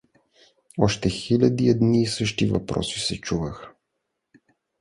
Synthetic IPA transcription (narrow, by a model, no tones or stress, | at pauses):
ɔʃt̪ɛxilʲad̪iɛd̪niːsɤʃt̪ivɐ̰pɾɔ̰sisɛt͡ʃuvəxə̥